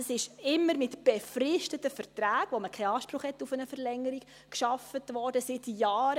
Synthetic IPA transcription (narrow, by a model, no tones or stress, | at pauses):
sɪʃɪmːəɾmɪtb̥efrɪʃtətəfəɾtɾæːɡ̥ʋoməkʰajɑːʃpɾʊχhɛtːufənəfəɾlɛŋːəɾik | kʃɑfətʋɔɾd̥əsɪtjɑːɾ